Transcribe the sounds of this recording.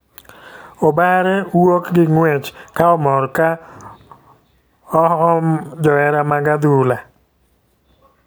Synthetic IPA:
ɔbaɾɛwokɡɪŋwɛt͡ʃkaɔmɔɾka | ɔɔd͡ʒɔɛɾamaɡad̪ula

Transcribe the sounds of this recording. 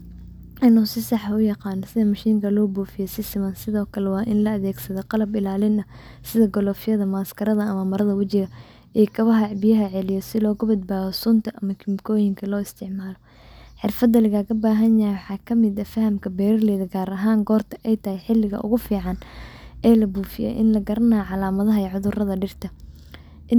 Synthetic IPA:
ɪnusɪsɑħaʊjɑqɑːnːɔsɪðɐmɐʃiːŋkʰɐlɔːbuːfɪjɛsɪsɪmɐnsɪðɔːkʰɐlɛwɑːʔɪnlɐɐðɛːɡsɐðɔqɑlɐbɪlaːlɪnɐ | sɪðɐɡɔlɔːfɪjɐðɐmɐːskʰɐɾɐðɐɐmɐmɐɾɐðɐwɐt͡ʃɪɣɐ | ʔikʰɐβɐɦɐʕbɪjɐɦɐʕɛlɪjɔsɪlɔːɣʊbɐd̪̚baːɣɔsʊnt̪ʰɐʔɐmɐkʰɪmkʰɔːjɪŋkʰɐlɔːɪst̪ʰɪʕmaːlɔ | ħɪrfɐd̪ːɐlɐɣaːɣɐbaːɦɐnjɐjwɑħɑːkʰɐmɪd̪ɐfɐhɐmkʰɐbɛːɾɐrlɛːðɐɡaːɾɐɦaːŋɡɔːrt̪ʰɐʔɛjt̪ʰɐhɛjħɪlːɪɣɐ̰ʔʊ̰ɣʊfiːʕɑnʔɛːlɐbuːfɪjɛ̰ʔɪ̰nlɐɡɐɾɐnaːʕɑlaːmɐðɐɦɐɛʕʊðʊrɐðɐɖɪrt̪ʰɐ | ʔɪ

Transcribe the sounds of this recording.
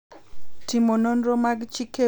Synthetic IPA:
timononɾomaɡt͡ʃike

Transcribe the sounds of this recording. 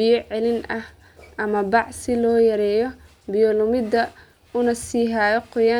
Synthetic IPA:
iːʕɛlɪnʔɐh | ʔɐmɐbɑʕsɪlɔːjɐɾɛːjɔ | bɪjɔlʊmɪd̪ɐ | ʊnɐsiːɦaːjɔqʊja

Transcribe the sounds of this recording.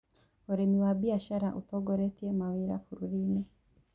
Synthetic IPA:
oɾemiwabiaʃaɾaʔutoɡoɾetiemawiɾa̰fuɾuɾini

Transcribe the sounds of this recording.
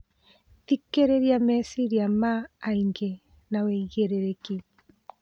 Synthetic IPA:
tikeɾeɾjamɛsiɾjamaːiŋɡe | nawɛiɣeɾeɾeki

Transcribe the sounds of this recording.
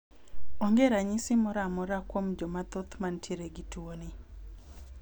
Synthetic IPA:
oŋɡeɾaɲisɪmɔɾamɔɾakwomd͡ʒɔmat̪ot̪mantjeɾeɡitwoni

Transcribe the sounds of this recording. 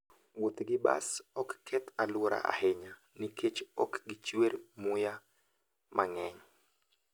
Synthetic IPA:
wot̪ɡɪba̰sɔkːʰɛt̪alwoɾa̰ʔa̰hɛɲa | nikʰet͡ʃɔ̰kɡɪt͡ʃweɾmʊja | mʔaŋɛɲ

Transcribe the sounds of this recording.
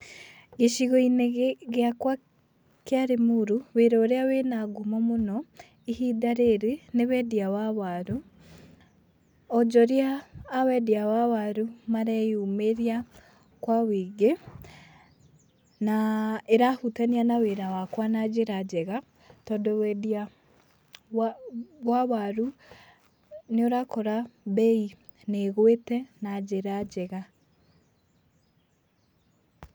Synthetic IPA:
ɡeʃiɣɔineɣeakwa | keaɾemuɾuweɾɔːɾeawenaɡomɔmonɔ | ihidaɾeɾenewɛdiawaβaɾu | ɔd͡ʒɔɾiaːwɛdiawawaɾumaɾɛjumeɾia | kwawiːɡe | naeɾahutanianaweɾawakwanad͡ʒeɾad͡ʑɛɣa | tɔndɔwɛdia | wawaɾu | neoɾakɔɾabɛi | neɣwetɛnad͡ʑeɾad͡ʑɛɣa

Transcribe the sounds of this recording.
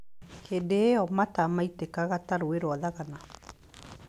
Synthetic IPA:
kʰendeɔmatamaitekaɣataɾoeɾwɔðaɣana

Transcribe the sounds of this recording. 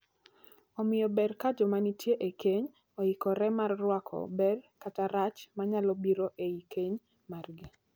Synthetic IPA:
ɔmɪjɔbɛrkad͡ʒɔmanitjeʔekeɲ | ɔɪkɔɾɛmarːwakʰɔ̰bɛrkataɾat͡ʃmaɲalɔbiɾoʔeikeɲ | marɡɪ

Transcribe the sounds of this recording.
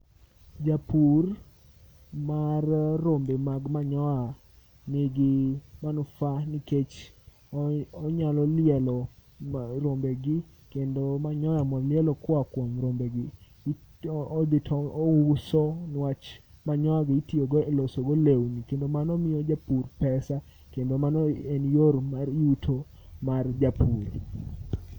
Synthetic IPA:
d͡ʒapur | marrːombemaɡmaɲɔa | nɪɡɪmanufanɪket͡ʃ | ɔɲalɔlɪɛlɔ | ɾombeɡɪ | kendomaɲɔjamɔlɪɛlɔkwakwɔmɾombeɡɪ | d̪ɪtʰɔusɔnwat͡ʃmaɲɔaɡitioɡelosoɡolewnikendomanɔmɪjɔd͡ʒapurpɛsa | kendomanɔenjormaɾiutʰo | mard͡ʒapʰur

